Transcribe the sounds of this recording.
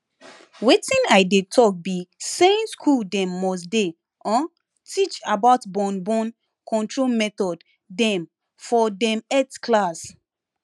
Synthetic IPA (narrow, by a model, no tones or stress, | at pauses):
wetĩnaɪdetʰɔk̚bisẽnskʰuldɛ̃mːɔs̬de | ɔ̃n | tʰit͡ʃabaʊtbɔ̃nbɔ̃n | kʰɔ̃ntɹolmɛtɔd | dɛ̃m | fɔdɛ̃metkʰlas